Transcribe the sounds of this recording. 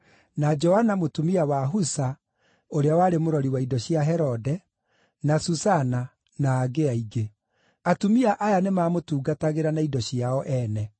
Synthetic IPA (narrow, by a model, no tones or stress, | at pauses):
nad͡ʒɔhanamotumiawaɦusa | oɾeawaːɾemoɾɔɾiwaidɔɕjaɦɛɾɔdɛ | nasusana | naːɡeaiɡe | atumiaʔajanemaːmotuːɡataɣeɾanaidɔɕiaɔʔɛnɛ